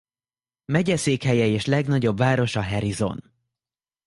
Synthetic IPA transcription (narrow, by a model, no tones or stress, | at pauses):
mɛɟɛseːkhɛjɛeːʃlɛɡnɒɟo̞bvaːɾo̞ʃɒɦɛɾizo̞̰n